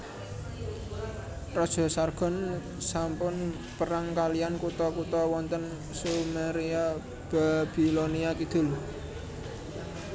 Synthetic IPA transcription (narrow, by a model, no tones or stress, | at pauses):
rɔd̥ʒ̥ɔ̤sarɡ̥ɔ̤n | sampʊn | pəɾaŋkaliankut̪ɔkut̪ɔwɔnt̪ən | sumaɾia | b̥ab̥iloniak̪id̪̥ʊ̤l